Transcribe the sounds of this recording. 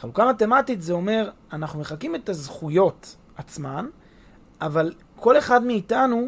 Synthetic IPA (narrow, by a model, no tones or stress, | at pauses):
χalukamate̞matitzeo̞me̞ʁ | anaχnume̞χakime̞t̪azχujo̞t̪ | at͡sman | aval | kʰo̞le̞χad̪meːtanu